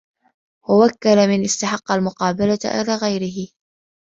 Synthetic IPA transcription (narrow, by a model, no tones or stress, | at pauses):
wawakːalamɪnʔɪst̪aħɑqːalmʊqɑːbalaʔɪ̰laːɣajɾɪɦɪ